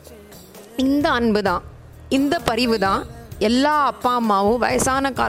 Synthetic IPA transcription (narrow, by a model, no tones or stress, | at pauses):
ɪnd̪ɐːnbɯðãː | ɪnd̪ɐpɐɾɪʋɯðãːɛlːaːɐpːaːmːaːʋɯ̃ʋɐ̰jɐsaːnɐka̰ː